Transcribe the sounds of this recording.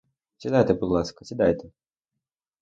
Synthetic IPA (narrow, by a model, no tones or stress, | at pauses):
sʲid̪ajt̪ɛbʊd̪lˠaskɐ̥sʲid̪ajt̪ɛ